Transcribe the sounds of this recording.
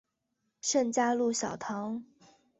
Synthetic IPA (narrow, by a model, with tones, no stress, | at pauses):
ʂə˥˩ŋt͡ɕja˥lu˥˩ɕjɑ˨˩ʊt̪ʰɑ˧˥ŋ